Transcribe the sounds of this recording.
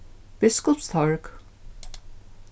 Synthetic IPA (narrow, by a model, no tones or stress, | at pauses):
b̥ɪskʊpst̪ʰɔɹk